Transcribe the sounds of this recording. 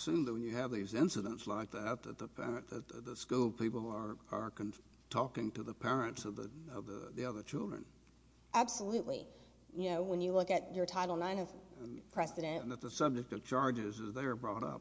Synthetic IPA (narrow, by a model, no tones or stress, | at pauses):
sʉ̃nðɨwɨ̃njɨɨvðizɪ̃nsɨɾə̃ntslaɪk̚ðæt̪̚ðɨt̪̚ðəpʰɛ̰ɹɨ̃ðɨt̪̚ðɨðəskulˠpʰipl̩ˠə˞ə˞kɨ̃n | tʰɔkɪ̃ŋtɨðəpʰɛɹɨ̃ntsʌvðɨ̰ʌvðə̰ðiʌðə˞t͡ʃʰɪlˠdɹɨ̰̃n | ʔæb̥səlʉʔˡlḭ | jɨnoʊwə̃njɨlʊkɨt͡ʃə˞tʰaɪɾl̩ˠnãɪ̃nʌ̃pʰɹ̥ɛsɨɾɨ̃ñnðɨt̪̚ðəsʌb̚d͡ʒɨk̚tʌv̥t͡ʃʰɑɹd͡ʒɪzɨzðə˞bɹɔɾʌ̰p̚